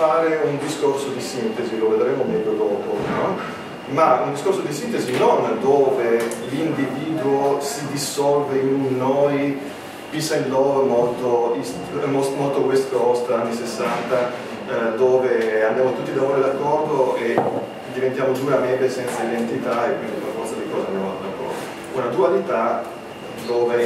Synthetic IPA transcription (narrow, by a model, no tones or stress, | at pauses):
faːɾeund̪iskorsod̪isint̪eziloved̪ɾɛːmomɛʎːod̪ɔːpo̰nɔ | maund̪iskorsod̪isint̪ezinond̪oːvelind̪iviːd̪uosid̪isɔlveinːoj | pisalːɔːɾomolt̪ois | mosmɔlt̪oɡwest̪kɔst̪anːisesːant̪a | d̪oːveabːjamot̪ut̪ːid̪avoɾed̪akːɔrd̪oe | d̪ivent̪jaːmosuɾamɛlesɛnt̪said̪ent̪it̪aekwind̪iunafɔrt̪sad̪ikɔːzanona̰nd̪akɔ̰ | unad̪ualit̪a | d̪oːve